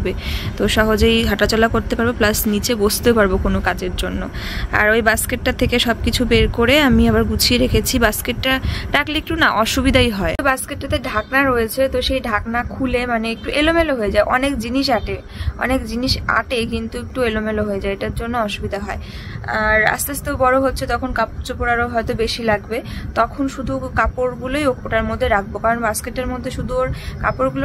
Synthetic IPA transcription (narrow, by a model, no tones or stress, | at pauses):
ɔbet̪oʃɔɦod͡ʑojɦaʈat͡ɕɔlakoɾt̪epaɾboplasnit͡ɕebost̪epaɾbokonokad͡ʑeɾd͡ʑonːo̰ | a̰ɾojbaskeʈʈat̪ʰːekeʃɔbkit͡ɕʰubeɾkoɾeamiabaɾɡut͡ɕʰieɾekʰet͡ɕʰibaskeʈːaʈaklek̚ʈunaʔɔʃubid̪ʱajɦɔebaskeʈːat̪eɖʱaknaɾoet͡ɕʰet̪oʃejɖʱaknakʰulemaneek̚ʈuʔelomeloɦoed͡ʑaeʔɔnekd͡ʑiniʃaʈe | ɔ̰nekd͡ʑiniʃa̰ʈekint̪uek̚ʈuelomeloɦoed͡ʑaeeʈaɾd͡ʑonːoɔʃubid̪ʱaɦɔe | a̰ɾa̰st̪ast̪obɔɾoɦotːɕʰed͡ʑɔkʰonkapt͡ɕopoɾaɾoɦɔet̪obeʃilaɡbet̪ɔkʰonʃud̪ʱukapoɾɡulojok̚poʈaɾmod̪ʱːeɾak̚ʰbokaɾonbaskeʈːeɾmod̪ʱːeʃud̪ʱuoɾkapoɾɡulo